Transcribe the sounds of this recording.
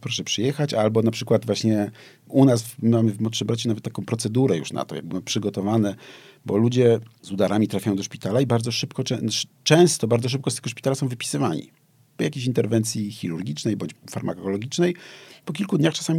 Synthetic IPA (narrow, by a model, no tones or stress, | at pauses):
pɾɔʂɛpʂɨjɛxat͡ɕalbɔnapʂɘkwad̪vwaɕɲɛ | unasvmamɘvmɔt̪ʂɨmbɾat͡ɕunavɛt̪ːakɔ̃w̃pɾɔt̪sɛd̪uɾɛjṵʂna̰t̪ɔ̰ja̰ɡ̚bɨwmpʂɘɡɔt̪ɔvanɛ | bɔ̰lud͡ʑɛzud̪aɾʔamʲit̪ɾafʲajɔ̃w̃d̪ɔʂpʲit̪alaibaɾd̪zɔʂɘpkɔɛt͡ʂɛ̃w̃st̪ɔbaɾd̪zɔʂ̬ɘp̚kɔst̪ɛɡɔʂpʲit̪alasɔ̃w̃vɘpʲi̥sɘvaɲḭ | pɔjakʲeɕint̪ɛɾvɛnt̪sʲjixʲiɾuɾɡʲit͡ʂnɛjbɔɲt͡ɕfaɾmʔa̰kɔlɔɡʲit͡ʂnɛjpɔkʲilkud̪ɲaxt͡ʂasamʲi